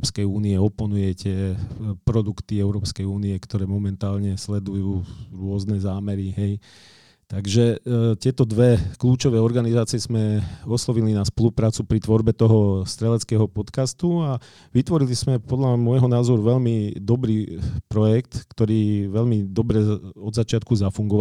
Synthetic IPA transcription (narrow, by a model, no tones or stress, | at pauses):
ɔpskɛjuːniɛɔpɔnujɛcɛpɾɔd̪ukt̪iɛʊɾɔːpskɛjuːniɛkt̪ɔɾɛːmɔmɛnt̪aːlɲɛslɛd̪ujuːɾʊɔznɛzaːmɛɾiɦɛj | t̪aɡʒɛt̪ɪɛt̪ɔd̪ʋɛkluːt͡ʃɔʋɛːɔɾɡanizaːt͡siɪɛzmɛɔslɔʋilinaspɔlupɾaːt͡supɾit̪ʋɔɾbɛt̪ɔɦɔst̪ɾɛlɛt͡skɛːɦɔpɔt̪kast̪ua | ʋit̪ʋɔɾiliz̥mɛpɔd̪ʎamʊɔjɦɔnaːzɔɾuʋɛʎmid̪ɔbɾiːpɾɔjɛkt̪kt̪ɔɾiːʋɛʎmid̪ɔbɾɛɔd̪zat͡ʃɪat̪kuzafuŋɡɔʋ